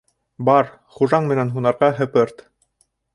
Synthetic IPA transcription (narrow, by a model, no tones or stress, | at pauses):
bɑɾ | χuʒɑɴmɘ̆nænɦunɑɾʁɑɦɘ̆pɘɾt̪